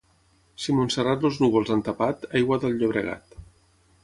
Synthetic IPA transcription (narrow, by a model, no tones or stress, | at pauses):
simunsərat̪loznuɣolˠzant̪apat̪ajɣwaðəlʎoβɾəɣa̰t̪